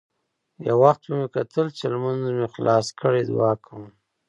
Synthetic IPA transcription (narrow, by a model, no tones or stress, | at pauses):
ja̰waxt̪̚bəmekat̪ʰəlt͡ʃelmanzmexlʔɑskʰəɽed̪̰wɑkʰəm